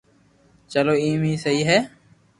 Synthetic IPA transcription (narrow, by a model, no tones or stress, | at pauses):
t͡ʃəloːiːmiːsəɦiːɦɛː